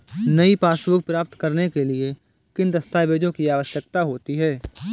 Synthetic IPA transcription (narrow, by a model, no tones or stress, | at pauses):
nɐipaːsʋʊk̚pɾaːp̚t̪kɐɾnekelie | kɪnd̪ɐst̪aːʋeːd͡ʒõkiaːʋəʃjək̚t̪aɦoːt̪iɦɛː